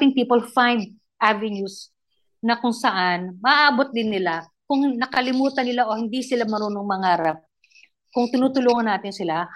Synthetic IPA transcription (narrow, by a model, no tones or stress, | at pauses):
t̪ɪŋpiːpolfajnd̪̚ | ʔavɛnjus | nɐkʊŋsɐʔanmɐʔʔaːbot̪̚d̪ɪnːɪlakʊŋnɐkɐlɪmuːt̪ɐnɪlaʔo̞hɪnd̪isɪlamɐɾuːnoŋmɐŋaːɾɐp̚ | kʊŋt̪ɪnuːt̪ʊluːŋɐnːaːt̪ɪnsɪla